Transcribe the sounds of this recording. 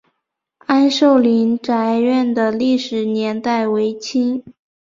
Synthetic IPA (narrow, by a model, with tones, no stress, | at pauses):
a˥nʂo˥˩ʊli˧˥nʈ͡ʂa˧˥ɪɥɛ˥˩nd̪ə˩li˥˩ʂɻ̩˨˩njɛ˧˥nt̪a˥˩ɪwe˧˥ɪt͡ɕʰi˥ŋ